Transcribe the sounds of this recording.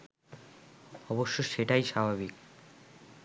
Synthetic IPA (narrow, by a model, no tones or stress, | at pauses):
ɔboʃːoʃeʈajʃabʱaβik